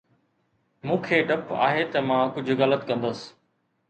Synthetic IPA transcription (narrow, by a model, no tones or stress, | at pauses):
mũːkʰeːɖɐpa̰ːɦeːt̪ɐmãːkʊd͡ʑʱʊɣələt̪kɐ̃nd̪əs